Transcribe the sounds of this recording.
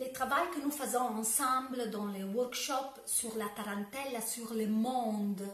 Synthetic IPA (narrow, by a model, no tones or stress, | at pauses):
let̪ɾavajkənufəzɔ̃ɑ̃sɑ̃mbləd̪ɑ̃lewɔrkʃɔp | syʁlapaɾɑ̃nt̪ɛlasyʁləmɔ̃d̪